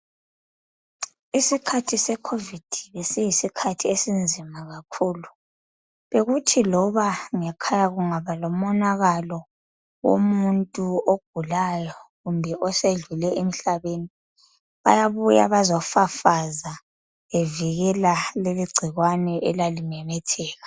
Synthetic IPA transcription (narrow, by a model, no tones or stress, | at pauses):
isikʰatʰisɛkʰovid̥ʱiβesɛjisikʰatʰiesind͡zʱimaɣakʰuːlu | βeɣutʰilɔβaŋɛkʰajaɣuŋaβalɔmɔnaɣalɔ | wo̰muntʼuoɡ̥ʱulajɔɣumbʱɛʔɔseɮulɛemiɬaβeni | βajaβuja̰βazɔfafaza | eviɣɛlaleliɡ͡ǀʱiɣwanɛʔɛlalinɛmɛtʰɛːɣa